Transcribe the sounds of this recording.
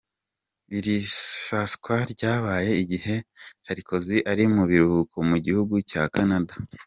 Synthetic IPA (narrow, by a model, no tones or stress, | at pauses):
βiɾisaskwaɾɟaːβaːje̞iɟihe̞t͡ʃaɾikʰo̞ziʔaɾimuβiɾukomuɟihuɡucaːkanada